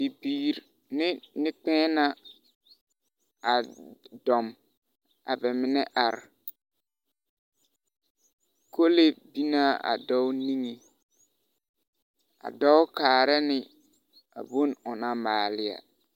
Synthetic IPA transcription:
bi˨biː˨ɾ | nɪ˦nɪ˦k͡pɛ̃ː˦na˦ | a˨dɔ˨m | a̰˨bɛ˨mɪ˨nɛ˦ʔa˨ɾ | ko˦le˦bi˦na˦ʔa̰˨dɔ˦ʊ˦ni˦ŋe˨ | a̰˨dɔ˦ʊ˦kaː˨ɾɛ˦nɪ˨ | a̰˨bo˦nʊ˨na˦maː˨lɪ˦ja̰˨

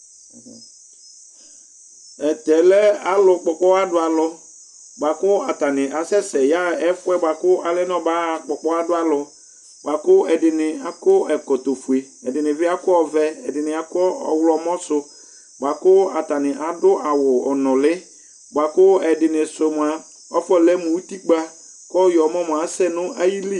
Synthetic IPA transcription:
ɛ˨t̪ɛ˨lɛ˦a˦lʊ˨k͡pɔ˨k͡pɔ˦a˦dʊ˨˦a˨lɔ˨ | bʷa˨kʊ˦a˨t̪a˨nɪ̃˨ʔa˨sɛ˦sɛ˨ja˦ɛ˦fʊ˦ɛ˦ba˨kʊ˦a˨lɛ˦nɔ̃˦ba˦˨k͡pɔ˨k͡pɔ˦a˦dʊ˦a˨lɔ˨ | ba˨kʊ˦ɛ˨dɪ˨nɪ̃˨a˨kʊ˦ɛ˨kɔ˨t̪o˨fu˨e˨ | ɛ˨dɪ˨nɪ̃˨vɪ˦a˦kʊ˦ɔ˦vɛ˦ɛ˨dɪ˨nɪ̃˨a˨kɔ˦ɔ̰˨wlɔ˨mɔ̃˦sʊ˦ | ba˨kʊ˦a˨ta˨nɪ̃˨ʔa˨dʊ˦ʔa˨wʊ˨ɔ˨nɔ̃˨lɪ˦ | bʷa˨kʊ˦ɛ˨dɪ˨nɪ̃˨sʊ˨m˨a˨ | ɔ˦fɔ˦lɛ˦mʊ̃˨wu˦ti˦k͡pa˦ | kɔ˦jɔ˨˦mɔ̃˦mʊ̃˨a˨sɛ˦nʊ̃˦ʔa˦ji˦li˦˨

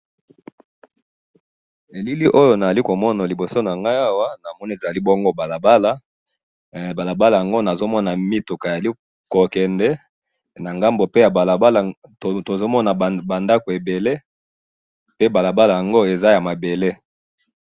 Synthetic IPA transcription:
e˨li˦li˦ʔo˦jo˨na˨za˨li˦ko˨mɔ˦na˨li˨bo˨so˦na˨ŋɡa˦a˦wa˦na˨mɔ˦ni˦e˨za˨li˦bɔ˦ŋɡo˦ba˨la˨ba˦la˦ | ba˨la˨ba˦la˨ja˨ŋɡo˦na˨zo˦mɔ˦na˨mi˦tu˨ka˨za˨li˦ | ko˨kɛ˨ndɛ˦ | na˨ŋɡa˦mbo˨pe˦ja˨a˨la˨ba˦la˨to˨zo˦mɔ˦na˨ba˨nda˦ko˨e˨be˨le˦ | pe˦ba˨la˨ba˦la˨ja˨ŋɡo˦e˨za˦ja˨ma˨be˨le˦

